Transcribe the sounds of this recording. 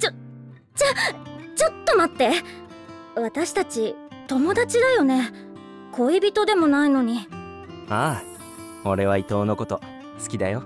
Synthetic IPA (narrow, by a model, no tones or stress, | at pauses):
t͡ɕo | t͡ɕat͡ɕo̞t̪ːo̞mat̪ːe̞ | βat̪aɕi̥t̪at͡ɕi | t̪o̞mo̞d̪at͡ɕid̪ajo̞ne̞ | ko̞ibʲit̪o̞d̪e̞mo̞naino̞ɲ̟i | aː | o̞ɾe̞β̞ait̪o̞ːno̞ko̞t̪o̞ | sɨ̥kʲid̪ajo